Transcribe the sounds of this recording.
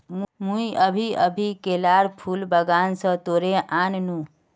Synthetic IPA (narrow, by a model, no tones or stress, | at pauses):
mmũiəbʱiəbʱikelaɾpʰulbəɡansə̃t̪oɾeʔannũ